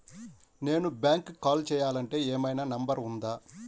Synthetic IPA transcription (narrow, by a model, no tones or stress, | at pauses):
ne̞ːnubʲjaːŋkkaːlt͡ʃɛːjaːlɐɳʈe̞ːɛːmɐjnaːnɐmbɐɾund̪aː